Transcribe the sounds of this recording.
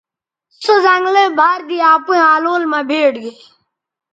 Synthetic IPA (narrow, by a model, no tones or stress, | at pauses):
səzãŋɡleːbʱaːɾd̪iːaːpuẽaːloːlmãːbʱeːʈɡeː